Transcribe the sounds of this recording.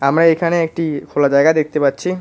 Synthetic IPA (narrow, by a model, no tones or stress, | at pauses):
amɾaekʰaneek̚ʈikʰolad͡ʑaeɡaed̪ek̚t̪epatːɕʰi